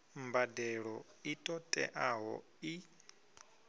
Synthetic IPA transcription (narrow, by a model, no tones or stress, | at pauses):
mbadɛɺɔ | itʼɔtʼɛ̰ʔaɦɔ̰ | i